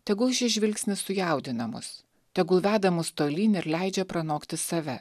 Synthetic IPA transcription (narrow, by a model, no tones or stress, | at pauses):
t̪ʲɛɡʊɪʃʲɪʒʲʋʲɪlʲksʲnʲɪsʊjɛˑʊd̪ʲɪnɐmʊ̰s | t̪ʲɛɡʊʋʲæːd̪ɐmʊst̪oːlʲiːnʲɪɾlʲɛɪd͡ʒʲɛpɾɐnoːkt̪ʲɪsɐʋʲɛ